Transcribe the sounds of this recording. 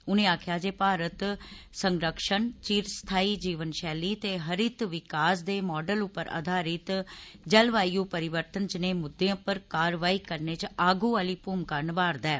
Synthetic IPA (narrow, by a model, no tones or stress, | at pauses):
ʊnẽːaːkʰjaːd͡ʒeːpaːɾət̪ | səŋɡɾəkʃənt͡ʃiːɾst̪ʰaːiːd͡ʒiːʋənʃɛːliːt̪eːɦəɾɪt̪ʋɪkaːsd̪eːmɔːɖəlʊpːəɾə̰d̪ʱaːɾɪt̪d͡ʒəlʋaːijũːpəɾɪʋəɾt̪ənt͡ʃəneːmʊd̪ːeãːpəɾkaːɾʋaːiːkəɾneːt͡ʃaːɡuːaːliːpuːmkəɾɳbaːɾd̪ɛː